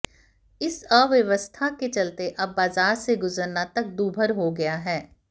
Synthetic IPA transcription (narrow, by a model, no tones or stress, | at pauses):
ɪsəʋjɐʋəst̪ʰaket͡ʃɐlt̪eʔɐbːaːzaːɾseɡʊzəɾnat̪ɐk̚d̪uːbʱəɾɦoɡɐjaɦɛː